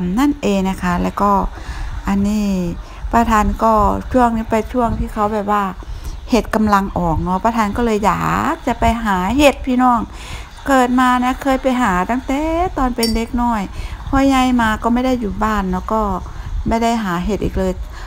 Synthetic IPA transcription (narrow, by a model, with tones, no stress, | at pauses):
mna˥˨nʔeː˨˧ŋna˧˩kʰa˦˥˩lɛː˧˩wkɔː˧˩ʔa˧nːiː˧˥˩ | pʰa˧t̪ʰaː˧nkɔː˧˩t͡ɕʰu˥˩əŋniː˧˥˩pa˧jt͡ɕʰu˥˩əŋt̪ʰiː˧˩kʰa˧˩wbɛː˨˩p̚waː˧˩he˧˩t̪̚ka˧mla˧ŋʔɔː˨˩k̚nɔ˧˦˥pʰa˧t̪ʰaː˧˥nkɔː˧˥˩lɤː˧jːa̰ː˨˩k̚t͡ɕa˨˧˩pa˧jɦaː˩˦ɦe˧˩t̪̚pʰiː˧nɔː˧˥˩ŋ | kɤː˨˩t̪̚maː˧na˧˥kʰɤː˧˥˨jpa˧jɦaː˨˩˦t̪aː˧˥˩ŋt̪ɛː˨˩t̪ɔː˧npe˧nde˧˥k̚nɔː˧˩jpʰɔ˧˩ɲa˧jmaː˧kɔː˧˩˨ma˥˩˨jda˥˩˨jːuː˨˩baː˧˥˩nːɔ˧˥˩kɔː˧˩ma˧˥˩jda˧˥˩jɦaː˨˦ɦe˧˩t̪̚ʔḭː˨˩k̚lɤː˧j